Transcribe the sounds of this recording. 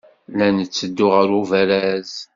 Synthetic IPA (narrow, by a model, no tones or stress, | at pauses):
lænət͡sːəd̪ːʊʁəɾuvæɾæz